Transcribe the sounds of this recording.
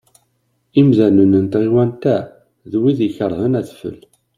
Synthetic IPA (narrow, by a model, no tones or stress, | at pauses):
imðænənənt̪ʁiwænt̪æ | ðwiðiçəɾˤðˤənæθfə̰l